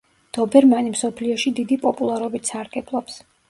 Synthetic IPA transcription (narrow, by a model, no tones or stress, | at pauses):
d̪̥ɔbɛɾmanimsɔpʰliɔʃid̪id̪ipʼɔpʼulˠaɾɔbit̪saɾɡ̥ɛblˠɔps